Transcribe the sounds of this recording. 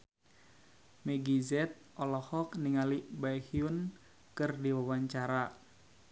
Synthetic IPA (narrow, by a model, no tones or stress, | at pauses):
mɛɡizɛt̪̚ʔɔlɔhɔkniŋalibajhiun | kɨrdiwawaɲt͡ʃaɾa